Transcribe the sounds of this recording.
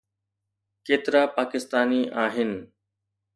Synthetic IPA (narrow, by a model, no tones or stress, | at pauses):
keːt̪ɪɾaːpaːkɪst̪aːniʔaːɦɪn